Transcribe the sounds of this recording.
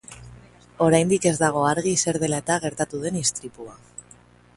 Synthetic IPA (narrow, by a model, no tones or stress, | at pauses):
o̞ɾajnd̪ike̞zd̪aɣ̞o̞aɾɣise̞ɾð̞e̞lae̞t̪aɣ̞e̞ɾt̪at̪uðe̞nist̪ɾipua